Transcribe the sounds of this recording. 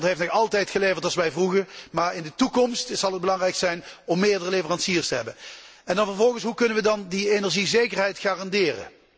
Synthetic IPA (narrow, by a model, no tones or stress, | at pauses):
ntɦejftnɔɑlˠtɛjtxəlejvəɹtɑlˠsʋɛjvruɣəɹmaːɹɪndətukɔmstz̥ɑlˠɦəd̚bəlɑŋrɛjksɛjnɔmːɪːɹdərəlevərɑnsiːrstəɦɛbən | ɛndɑnvəɹvɔlˠɣənsɦukɵnənʋədɑndienɛɹʒizejkərɦɛjtxaːrɑndɪːrə̰